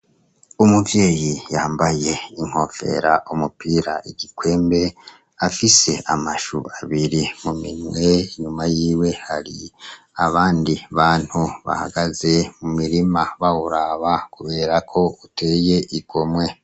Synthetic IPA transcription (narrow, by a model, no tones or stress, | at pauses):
umuvje̞ːjijaːmbaje̞iŋ̥ho̞fe̞̰ɾaʔumupiːɾaʔiɟikwe̞ːmbe̞ | afise̞ʔamaʃṵaβiɾimumiɲwe̞ɲumajiːwe̞haɾi | aβaːndiβaːn̥huβa̰ha̰ɡaze̞mumiɾimaβawuɾaβakuβe̞ːɾakʰo̞utʰe̞je̞ʔiɡo̞mwe̞